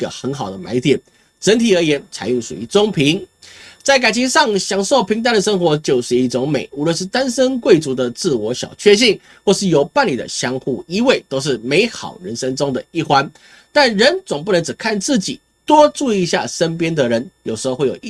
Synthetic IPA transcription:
ɡə˨xə˧˥nxɑ˨˩ʊd̪ə˦ma̰˧˥ɪt̪jɛ˨˩˦n | ʈ͡ʂə˧˥nt̪ʰi˨ə˞˧˥jɛ˧˥nt͡sʰa˧˥ɪy˥˩ŋʂṵ˨˩ḭ˧˥t͡sʊ˥ŋpʰi˧˥ŋt͡sa˥˩ɪka˨˩ɪt͡ɕʰi˧˥ŋʂɑ˥˩ŋɕjɑ˨˩ŋʂo˥˩ʊpʰi˧˥ŋt̪a˧˥nd̪ə˨˩ʂə˥ŋxwɔ˧˥t͡ɕjo˥˧ʊʂɻ̩˥˧i˥˩ʈ͡ʂʊ˧˥ŋmḛ˨˩˦ɪu˧˥lwə˥˧nʂ̬ɻ̩˥˩t̪a˥nʂə˥nkwe˥˩ɪt͡su˧˥d̪ə˨t͡sɹ̩˥˩wɔ˧˥ɕjɑ̰˨˩ʊt͡ɕʰɥɛ˥˧ɕ̬i˥˧ŋ | xwɔ˥˧ʂɻ̩˥˩jo˨˧˩ʊpa˥˩nli˨˩d̪ə̰˦ɕjɑ˥ŋxu˥˩i˥we˥˩ɪt̪o˥ʊʂ̬ɻ̩˥˩me˧˥ɪxɑ̰˨˩ʊɻə˧˥nʂə˥ŋʈ͡ʂʊ˥ŋd̪ə˨i˥˩xwa˥n | t̪a˥˩nɻə˨˦˥nt͡sʊ˨˩ŋp̬u˥˩nə˧˥ŋt͡s̩˨˩kʰa˥˧nt͡sɹ̩˥˩t͡ɕḭ˨˩˦ | t̪wɔ˥t͡su˥˧i˧ɕja̰˥˩ʂə˥npjɛ˥nd̪ə˨ɻə˧˦njo˨˩ʊʂ̩˧˥xo˧xwe˥˩jo̰˨˩ʊ˥

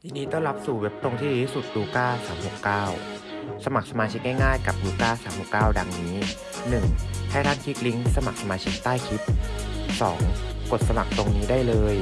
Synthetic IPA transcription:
t̪ʰiː˧niː˦˥t̪ɔ˥˩ŋɾa˦˥p̚suː˨˩we˦˥p̚t̪o˧ŋt̪ʰiː˥˩diː˧t̪ʰiː˥˩su˨˩t̪̚duː˧kaː˥˩saː˩˦mho˨˩kːaː˥˩w | sa˧ma˨˩k̚sa˧maː˧t͡ɕʰi˦˥k̚ŋɛː˥˩jŋaː˥˩jka˨˩p̚duː˧kaː˥˩saː˩˦mho˨˩kːaː˥˩wda˧ŋniː˦˥ | nɯ˨˩ŋhʰaː˥˩ɾaː˥˩nkʰi˦˥k̚li˦˥ŋsa˧ma˨˩k̚sa˧maː˧t͡ɕʰi˦˥k̚t̪aː˥˩jkʰi˦˥t̪̚sɔː˩˦ŋko˨˩t̪̚sa˧ma̰˨˩k̚t̪o˧ŋniː˦˥daː˥˩jlɤː˧j

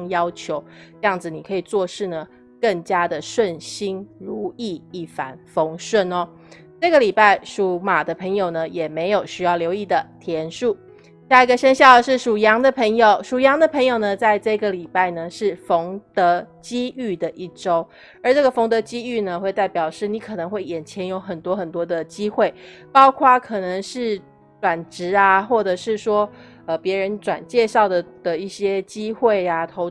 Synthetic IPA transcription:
ŋjɑ˥ʊt͡ɕʰjo˧˥ʊʈ͡ʂɤ˥˧jɑ˥˩ŋd͡zɹ̩˨˩ni˨˩kʰɤ˧˥i˨˩t͡swɔ˥˧ʂɻ̩˥˩nə˩ | kə˥˩ŋt͡ɕja˥d̪ə˨ʂwə˥˨nɕi˥nɻu˧˥i˥˧i˥˩fa̰˨˩˦nfo˧˥ŋʂwə˥˩nɔ˧ | ʈ͡ʂɤ˥˩ɡə˩li˨˩pa˥˩ɪʂu˨˩ma˨˩d̪ə˦pʰə˧˥ŋjo˨˩ʊnə˦jɛ˨˩me˧˥ɪjo˨˩ʊɕy˥jɑ˥˩ʊljo˧˥ʊi˥˩d̪ə˩t̪ʰjɛ˧˥nʂu˥˩ | ɕja˥˧i˧˥ɡə˨ʂə˥nɕjɑ˥˩ʊə˩ʂɻ̩˥˩ʂu˨˩jɑ˧˥ŋd̪ə˨pʰə˧˥ŋjo˨˩ʊʂu˨˩jɑ˧˥ŋd̪ə˨pʰə˧˥ŋjo˨˩ʊnə˩t͡sa˥˧ɪʈ͡ʂɤ˥˩i˧˥ɡə˩li˨˩pa˥˩ɪnə˩ʂɻ̩˥˩fo˧˥ŋt̪ə˧˥t͡ɕi˥y˥˩d̪ə˩ʔi˥˩ʈ͡ʂo˥ʊ | ə˞˧˥ʈ͡ʂɤ˥˩ɡə˩fo˧˥ŋt̪ɤ˧˥t͡ɕi˥y˥˩nə˨xwe˥˧ɪt̪a˥˩ɪpjɑ˨˩ʊʂɻ̩˥˩ni˧˥kʰɤ˨˩nɤ˧˥ŋxwe˥˩ɪjɛ˨˩nt͡ɕʰjɛ˧˥njo˧˥ʊxə˨˩nt̪wɔ˥xə˨˩nt̪wɔ˥d̪ə˨t͡ɕi˥xwe˥˩ɪ | pɑ˥ʊkʰwa˥˩kʰɤ˨˩nə˧˥ŋʂɻ̩˥˩ | ʈ͡ʂwa˨˩nʈ͡ʂɻ̩˧˥a˧xwɔ˥˩ʈ͡ʂɤ˨˩ʂɻ̩˥˩ʂwɔ˥ | ə˩pjɛ˧˥ɻə˧˦nʈ͡ʂwa̰˨˩nt͡ɕjɛ˥˧ʂɑ˥˩ʊd̪ə˩d̪̥ə˨i˥˩ɕjɛ˥t͡ɕi˥xwe˥˩ɪa˩t̪ʰo˧˥ʊ

